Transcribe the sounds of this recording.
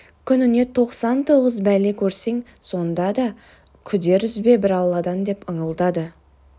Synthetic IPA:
kʲʰʏnɪne̞t̪ʰo̞qsɑnt̪ʰo̞ʁəzbæle̞kʲʰɵɾseŋ | so̞nd̪ɑd̪ɑ | kʲʰʏd̪e̞ɾʏzbe̞bɪɾɑlˠːɑd̪ɑnd̪e̞pəɴəlˠd̪ɑd̪ə

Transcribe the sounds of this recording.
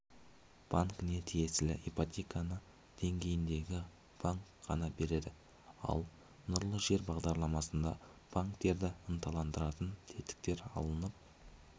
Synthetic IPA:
b̥aŋkne̞t̪ʰije̞sɪlɪ̰ʔipat̪ʲekanə | d̪̥e̞ŋɡʲe̞jɪnd̪e̞ɡʲɪ | b̥aŋkʁɑ̰nɑbe̞ɾe̞d̪ɪ | ɑ̰lˠ | nʊɾlˠəʒe̞ɾbɑʁd̪ɑɾlˠɑmɑsənd̪ɑ̰b̥aŋkt̪e̞ɾd̪ɪənt̪ʰɑlˠɑnd̪əɾɑt̪ənt̪ʰe̞t̪ɪ̥k̚t̪e̞ɾɑ̰lˠənəp̚

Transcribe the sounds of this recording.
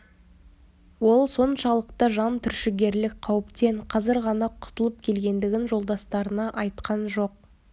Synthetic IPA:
wo̞lˠso̞nʃɑlˠəqt̪ɑʒɑnt̪ʰʏɾʃɪɡʲe̞ɾlɪk̚qʰɑwəpt̪e̞ɴqʰɑzɪɾʁɑnɑqʰʊ̥t̪əlˠəp̚kʲʰe̞lɡʲe̞nd̪ɪɡʲɪnʒo̞lˠd̪ɑst̪ɑɾənɑʔɑjt̪qɑnʒo̞q̚

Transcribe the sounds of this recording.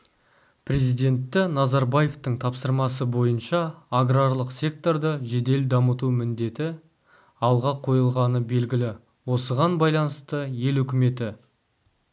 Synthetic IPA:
pʰrʲe̞zijd̪e̞nt̪ːɪnɑzɑɾbaje̞ft̪əɴt̪ʰɑpsəɾmɑsəbo̞jənʃɑːɡraɾlˠəqsʲe̞k̚t̪o̞rd̪əʒe̞d̪e̞ld̪ɑmət̪umɪnd̪e̞t̪ɪ | ɑlˠʁɑqʰo̞jəlˠʁɑnəbe̞lɡʲɪlɪ | wo̞səʁɑnbɑjlˠɑnəst̪əje̞lʏkʲɪme̞t̪ɪ

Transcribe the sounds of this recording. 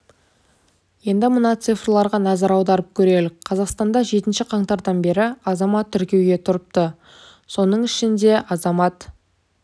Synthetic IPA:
je̞nd̪ɪmənɑt̪sɨfrlˠɑɾʁɑnɑzɑɾɑwd̪ɑɾəp̚kʲʰɵɾe̞lɪk̚ʲqʰɑzɑqst̪ɑnd̪ɑʒe̞t̪ɪnʃɪqʰɑɴt̪ɑɾd̪ɑnbe̞ɾɪɑzɑmɑt̪ʰːʏɾkʲe̞wɡʲe̞t̪ʰʊɾəp̚t̪ə | so̞nəɴɪʃɪnd̪e̞ʔɑzɑmɑt̪

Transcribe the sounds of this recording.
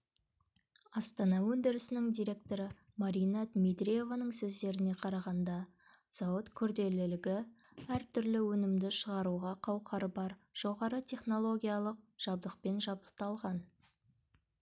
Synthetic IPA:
ɑst̪ɑnɑwɵnd̪ɪɾɪsɪnɪŋd̪ijɾʲe̞k̚t̪o̞ɾə | maɾijnɑt̪mid̪ɾije̞vanəɴsɵzd̪e̞ɾɪne̞qʰɑɾɑʁɑnd̪ɑ | z̥ɑwət̪kʲʰʏɾd̪e̞lɪlɪɡʲɪ | æɾt̪ʰʏɾlɪwɵnɪmd̪ɪʃəʁɑɾuʁɑqʰɑwqʰɑɾəbɑɾʒ̥o̞ʁɑɾət̪ʰʲe̞χno̞lˠo̞ɡʲijɑlˠəq̚ʒ̥ɑb̚d̪əq̚pe̞nʒɑb̚d̪ə̥q̚t̪ɑlˠʁɑn

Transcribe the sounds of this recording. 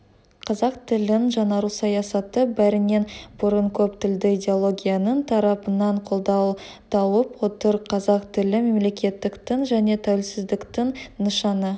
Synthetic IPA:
qʰɑzɑq̚t̪ʰɪlɪʒɑnɑɾusɑjɑsɑt̪əbæɾɪne̞nbʊɾəɴkʲʰɵpt̪ɪld̪ɪid̪ʲe̞o̞lˠo̞ɡʲijanənt̪ʰɑɾɑpənɑɴqʰo̞lˠd̪ɑw | d̪ɑwəpwo̞t̪əɾqʰɑzɑqt̪ɪlɪme̞mle̞kʲe̞t̪ːɪkt̪ɪŋʒæne̞t̪ʰæwɪlsɪzd̪ɪkt̪ɪŋnəʃɑnə

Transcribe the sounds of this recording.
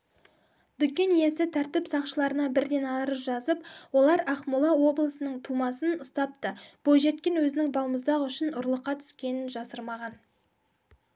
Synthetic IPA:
d̪̥ʏkʲːe̞nje̞sɪt̪ʰæɾt̪ɪpsɑqʃəlˠɑɾənɑbɪɾd̪e̞nɑɾəzʒɑzəpwo̞lˠɑɾɑqmulˠɑwo̞blˠəsənəɴt̪ʰumɑsənʊst̪ɑp̚t̪əb̥oʒe̞t̪̚kʲe̞nwɵzɪnɪŋbɑlˠməzd̪ɑʁəʏʃɪnʊɾlˠəqːɑt̪ʰʏ̥skʲe̞nɪnʒɑsəɾmɑʁɑn

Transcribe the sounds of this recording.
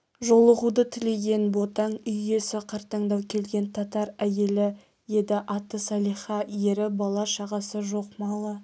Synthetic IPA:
ʒo̞lˠəʁud̪ət̪ʰɪle̞ɡʲe̞nbo̞t̪ɑɴʏje̞sɪqʰɑɾt̪ɑɴd̪ɑwkʲʰe̞lɡʲe̞nt̪ʰɑt̪ɑɾæje̞lɪ | jed̪ɪʔɑt̪ːəsɑlˠijχɑje̞ɾɪbɑlˠɑʃɑʁɑsəʒo̞qmɑlˠə

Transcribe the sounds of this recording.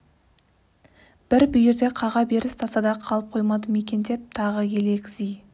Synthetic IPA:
b̥ɪɾbʏjɪɾd̪e̞qʰɑʁɑbe̞ɾɪst̪ʰɑsɑd̪ɑqʰɑlˠəp̚qʰo̞jmɑd̪əme̞kʲe̞nd̪e̞p̚t̪ʰɑʁəje̞lekʲɪzij

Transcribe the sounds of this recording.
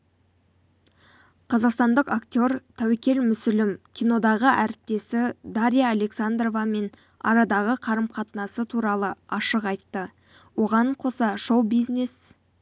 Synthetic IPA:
qʰɑzɑqst̪ɑnd̪əqakt̪ʲo̞ɾt̪ʰæwekʲe̞lmʏsɪlɪmkʲʰijno̞d̪ɑʁəʔæɾɪp̚t̪e̞sɪd̪aɾʲijaːle̞ksand̪ro̞vɑme̞n | ɑ̰ɾɑd̪ɑʁəqʰɑɾəmqʰɑt̪ənɑsət̪ʰuɾɑlˠəɑʃəqɑjt̪ːə | wo̞ʁɑɴqʰo̞sɑʃo̞wbijzne̞s

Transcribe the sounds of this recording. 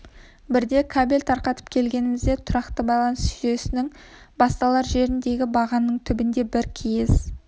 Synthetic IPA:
bɪɾd̪e̞kʰabelʲt̪ʰɑɾqɑt̪ə̥p̚kʲʰe̞lɡʲe̞nɪmɪzd̪e̞t̪ʰʊɾɑqt̪əbɑjlˠɑnəsʃʏje̞sɪnɪŋ | bɑst̪ɑlˠɑɾʒe̞ɾɪnd̪e̞ɡʲɪbɑʁɑnːəɴt̪ʰʏbɪnd̪e̞bɪɾkʲʰijɪs

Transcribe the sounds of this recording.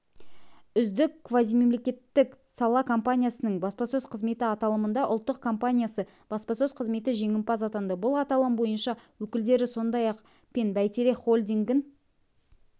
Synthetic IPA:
ʏzd̪ɪkkʰːvazijme̞mle̞kʲe̞t̪ːɪksɑlˠɑkʰo̞mpanʲijasənəɴbɑspɑsɵzqʰəzme̞t̪ɪɑt̪ɑlˠəmənd̪ɑʔʊlˠt̪ːəqkʰo̞mpanʲijasə | b̥ɑspɑsɵzqʰəzme̞t̪ɪʒe̞ŋɪmpɑsɑt̪ɑnd̪əbʊlˠɑt̪ɑlˠəmbo̞jənʃɑwɵkʲɪld̪e̞ɾɪso̞nd̪ɑjɑq | pʲenbæjt̪eɾeχolʲd̪iŋɡʲɪn

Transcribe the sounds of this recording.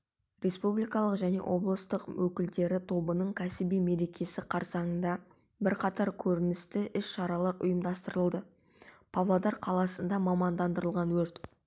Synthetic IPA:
re̞spublijkɑlˠəqʒæne̞̰wʔo̞blˠəst̪əqwɵkʲɪld̪e̞ɾɪt̪ʰo̞bənəɴkʲʰæsɪbijme̞ɾe̞kʲʰe̞sɪqʰɑɾsɑɴənd̪ɑ | bɪɾqʰɑt̪ɑɾkʲʰɵɾɪnɪst̪ɪʔɪsʃɑɾɑlˠɑɾʊ̰jəmd̪ɑst̪əɾəlˠd̪ə | pʰavlˠod̪ɑɾqʰɑlˠɑsənd̪ɑmɑmɑnd̪ɑnd̪əɾəlˠʁɑnwɵɾt̪

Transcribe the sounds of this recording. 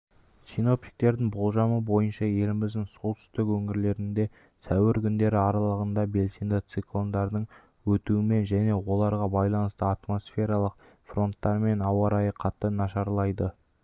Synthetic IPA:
sino̞pt̪i̥k̚t̪e̞ɾd̪ɪŋbo̞lˠʒɑməbo̞jənʃɑje̞lɪmɪzd̪ɪŋsolˠt̪ʰʏ̥st̪ɪkwɵŋɪɾle̞ɾɪnd̪e̞ | sʰæwɪɾkʲʰʏnd̪e̞ɾɪɑɾɑlˠəʁənd̪ɑbe̞lsejnd̪ɪt̪siklˠo̞nd̪ɑɾd̪əɴ | wɵt̪uɪme̞nʒæne̞wo̞lˠɑɾʁɑbɑjlˠɑnəst̪əɑt̪mo̞sfʲe̞ɾɑlˠəq̚ | fro̞nt̪ːɑɾme̞nɑwɑɾɑjəqʰɑt̪ːənɑʃɑɾlˠɑjd̪ə

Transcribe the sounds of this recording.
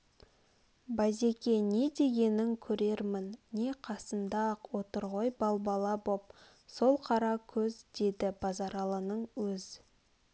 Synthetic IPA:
baze̞kʲe̞ne̞d̪e̞ɡʲe̞nɪŋkʲʰɵɾe̞ɾmɪnːe̞qʰɑsənd̪ɑqwo̞t̪əɾʁo̞jbɑlˠbɑlˠɑbo̞p̚ | so̞lˠqʰɑɾɑkʲʰɵzd̪̥e̞d̪ɪbɑzɑɾɑlˠənəɴwɵz

